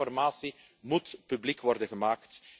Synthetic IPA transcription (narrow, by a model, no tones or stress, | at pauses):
ɔrmaːsi | mutpyblikʋɔrdənɣəmaːkt